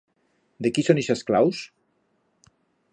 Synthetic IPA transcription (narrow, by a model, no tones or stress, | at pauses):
d̪ekisoneʃesklaws